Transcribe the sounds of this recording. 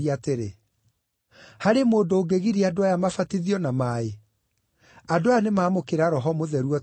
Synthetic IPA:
iateɾe | haɾemoːndoːɡeɣiɾiadoajamafatiðiɔnamae | adoajanemaːmokeɾaɾɔɦɔmoðɛɾuɔ

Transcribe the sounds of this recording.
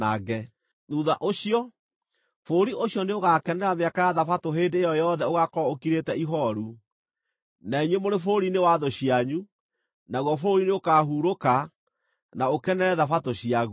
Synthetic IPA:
aɣɛ | ðuðaʔoɕiɔ | foːɾiʔoɕjɔneoɣaːkɛnɛɾameakajaðafatoɦeːndeejɔjɔðɛoɣakɔokiɾetɛiɦɔɾu | naiɲwemoɾefoɾinewaðoɕiaɲu | naɣwɔfoːɾineokaɦuːɾoka | naokɛnɛɾɛðafatoɕiaɣu

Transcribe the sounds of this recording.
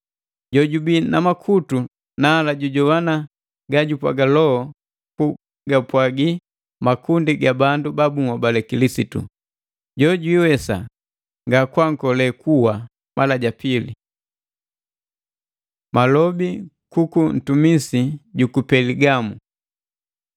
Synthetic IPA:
ɟɔɟubinamakʰutu | naːlaɟuɟɔwana | ɡaɟupwa̰ɡalɔɔ | ku | ɡapwaɡi | makundiɡabandubabuŋabalɛkilisitṵ | ɟɔɟwiwɛsa̰ | ŋɡakwaŋ̩kɔlɛkʰuwa | malaɟapilḭ | malɔbi | kukun̩tumisiɟukupɛliɡamu

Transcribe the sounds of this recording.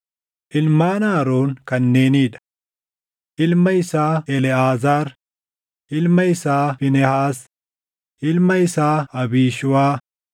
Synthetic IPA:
ʔɪlmaːnaːɾoːŋkɐnːe̞ːniːᶑɐ̥ | ʔɪlmɐɪsaːɛlɛaːzaːɾ | ʔɪlmɐɪsaːfɪnɛhaːs | ʔɪlmɐɪsaːɐbiːʃʊwaː

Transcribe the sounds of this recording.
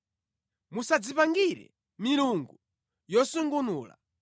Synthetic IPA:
musad͡zipaŋɡiɾɛ̰ | miluŋɡu | jɔsuŋɡunuːla̰

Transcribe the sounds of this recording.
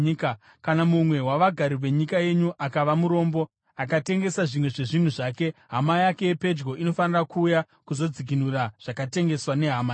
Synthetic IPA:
ka | kanamumwe̞ɦwaʋaɡʱaɾiʋe̞ɲikaje̞ɲuʔakaʋamuɾo̞ːmbo̞ | akate̞ŋɡe̞saʐimwe̞ʐe̞ʐin̤uʐaːke̞ɦamajake̞ːpe̞d͡ʒɡo̞ʔino̞fanirakuːja | kuzo̞d͡zik̬inuraʐ̥akate̞ŋɡe̞swane̞ɦama

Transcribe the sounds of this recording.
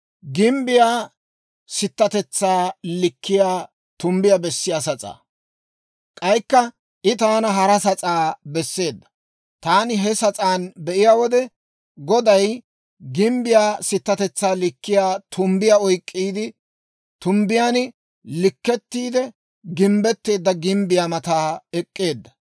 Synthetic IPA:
ɡɪmbɪjaː | sɪt̪ːɐt̪ɛt͡sːaːlɪkːɪjaː | t̪ʊmbɪjabɛsːɪjaːsɐt͡sʼa̰ː | kʼɐjkːɐ | ʔɪt̪aːnɐɦɐɾɐsɐt͡sʼaːbɛsːe̞ːd̪ːɐ̥ | t̪aːnɪɦɛsɐt͡sʼaːnbɛʔɪjaːwɔd̪ɛ | ɡɔd̪ɐj | ɡɪmbɪjaːsɪt̪ːɐt̪ɛt͡sːaːlɪkːɪjaːt̪ʰʊmbɪjaɔjkʼːiːd̪ɪ | t̪ʊmbɪjaːn | lɪkːɛt̪ːiːd̪ɛ | ɡɪmbɛt̪ːe̞ːd̪ːɐɡɪmbɪjaːmɐt̪aːɛkʼːe̞ːd̪ːɐ̥

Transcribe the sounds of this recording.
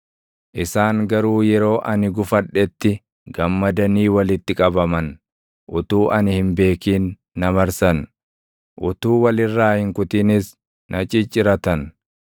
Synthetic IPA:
ʔɪsaːŋɡɐɾuːjɛɾo̞ːʔɐnɪɡʊfɐᶑɛt̪ːɪ | ɡɐmːɐd̪ɐniːwɐlɪt̪ːɪkʼɐbɐmɐn | ʔʊt̪uːʔɐnhɪmbe̞ːkiːnː | ɐmɐɾsɐn | ʔʊt̪uːwɐlɪrːaːhɪŋkʊt̪ɪnɪs | nʔɐt͡ʃʼɪt͡ʃʼːɪɾɐt̪ɐn

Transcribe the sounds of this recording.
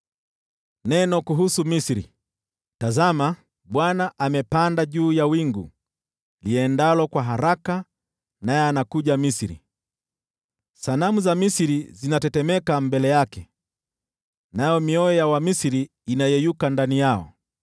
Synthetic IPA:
nɛnɔkuɦusumisiɾḭ | tazama | ɓwanaʔamɛpandaʄuːjawiŋɡṵ | liɛndalɔkwaɦaɾaka | najɛanakuʄamisiɾḭ | sanamuzamisiɾizinatɛtɛmɛkambɛlɛjakɛ | najɔmiɔɔjawamisiɾiː | najɛjukandanijaɔ̰

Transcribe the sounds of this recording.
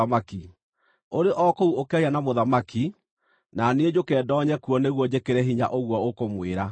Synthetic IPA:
amaki | oɾeʔɔkouokɛianamoðamaki | naneed͡ʑokɛːdɔɲɛkuɔneɣwɔd͡ʑekeɾɛɦiɲa̰ʔoɣwɔokomweɾa

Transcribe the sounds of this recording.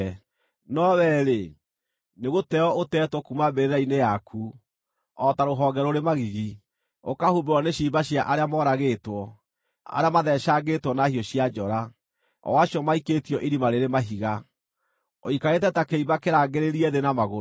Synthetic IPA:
nɔβɛɾe | neɣotɛɔotɛːtwɔkumabeðainejakʰu | ɔtaɾoɦɔɡɛɾɔɾemaɣiɣi | o̰kahubewɔneɕiːbaɕjaʔaɾeamɔɾaɣetwɔ | a̰ɾeamaðɛʃaɡetwɔnahiɔɕjad͡ʒɔɾa | ɔ̰waɕiɔmaiketiɔʔiɾimaɾeɾemaɦiɣa | o̰ikaɾet̬ɛtakeibakeɾaːɡeɾeɾiɛðenamaɣo

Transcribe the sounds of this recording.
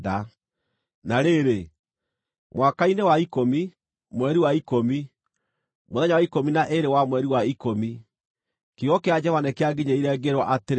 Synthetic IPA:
ða | naɾeɾe | mwakainewaikomi | mwɛɾiwaikomi | moðɛɲawaikominaʔeɾewamwɛɾiwaikomi | kiɔkead͡ʒɛvanɛkeaɡiɲaiɾɛɡeɾwɔʔateɾ

